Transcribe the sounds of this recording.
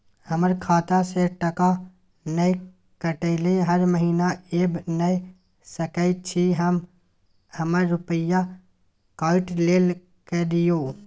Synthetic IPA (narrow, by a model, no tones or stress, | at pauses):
həməɾkʰaːt̪aseʈəka | nəj | kəʈəɪleɦəɾməɦiːnaeːbnəj | səkəɪt͡ʃʰiɦəm | həməɾːʊpəja | kaːɪʈleːl | ked̪ɪjoː